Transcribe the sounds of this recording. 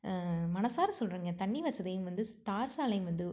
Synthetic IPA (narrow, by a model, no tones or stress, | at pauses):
mɐnɐsaːɾɐsɔlrɯːŋɡɐt̪ɐɳːiʋɐsɐðɐjɯmʋɐnd̪ɯt̪aːɾsaːlɐjɯmʋɐnd̪ɯ